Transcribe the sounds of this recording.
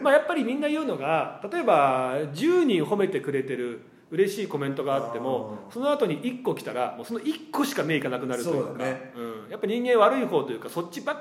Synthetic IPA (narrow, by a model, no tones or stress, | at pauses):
majapːaɾʲimʲĩnːajɯ̟ːno̞ɡat̪at̪o̞e̞bad͡ʑɨːɲ̟ĩɰɦo̞me̞t̪e̞kɯ̟ɾe̞t̪e̞ɾɯ̟ | ɯ̟ɾe̞ɕiːko̞mẽ̞nt̪o̞ɡaːt̪ːe̞mo̞so̞noat̪o̞ɲ̟iʔikːo̞kʲi̥t̪aɾa̰mo̞ːsono̞ʔikːo̞ɕi̥kame̞ːikanakɯ̟naɾɯoɡɯ̟̃ːjapːaɲ̟ĩŋɡeɰ̃βaɾɯiɦo̞ːt̪o̞jɯ̟kaso̞t͡ɕt͡ɕːɕiba